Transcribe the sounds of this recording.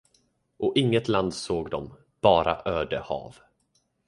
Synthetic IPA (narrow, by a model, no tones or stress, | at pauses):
ʔɔʔɪŋːət̪land̪soːɡd̪ɔm | b̥ɑːɾa̰ʔøːɖəhɑ̰ːv